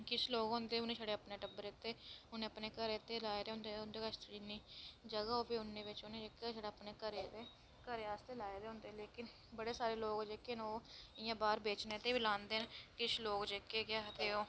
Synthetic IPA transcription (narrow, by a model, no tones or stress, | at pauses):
kɪt͡ʃʰloːɡɦõːnd̪eːʊnẽːʃʰaɽeːəpneːʈəbəɾeːt̪eːʊnẽːəpneːkəɾeːt̪eːlaːed̪eːʊnd̪eʊnd̪eːkast̪ɽiːniːd͡ʒəɡaoːbiːʊnːẽːʋɪt͡ʃʊneːd͡ʒeːkːeʃaːɽeːpneːkəɾeːd̪eː | kəɾeːaːst̪eːlaːed̪eːɦʊ̃ːnd̪eːleːkɪn | bəɽeːsaːɾeːloːɡd͡ʒeːkenoːɪjãːbaːɾbeːt͡ʃneːt̪eːbiːlãːnd̪eːnkɪt͡ʃʰloːɡd͡ʒeːkeːkjaːɦt̪eːoː